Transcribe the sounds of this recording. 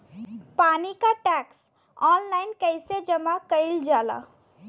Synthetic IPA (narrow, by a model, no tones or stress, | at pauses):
panikaʈaks | ɔnlajnkəjsed͡ʒəmakəɪld͡ʒala̰